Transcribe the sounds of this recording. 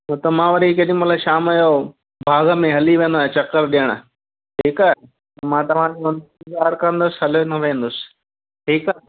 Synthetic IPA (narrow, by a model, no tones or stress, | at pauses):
ɐt̪ɐmãːʋɐɾikɐɗĩmɐt̪ləʃaːmɐjo | bʱaːɡə̆mẽɦɐliʋẽːn̆d̪oːɦet͡ɕɐkəɾɗijəɽ̃a̰ | ʈiːkae | ɐmãːt̪ɐʋ̤ãd͡ʑeʋɐnd̪ɡaːɾkɐə̃nd̪ʊsɦɐlonɐʋẽːn̆d̪ʊsɪ̥ | ʈʰiːkaː